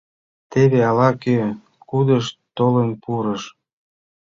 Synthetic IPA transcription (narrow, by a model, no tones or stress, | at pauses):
t̪eβeɑlɑke | kud̪əʃt̪olənpuɾəʃ